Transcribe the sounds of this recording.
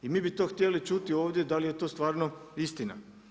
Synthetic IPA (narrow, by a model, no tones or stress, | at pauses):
imiːbit̪oxt̪jelit͡ʃut̪ioːʋd̪je̞d̪alije̞t̪o̞ːst̪ʋaːɾnoist̪ina̰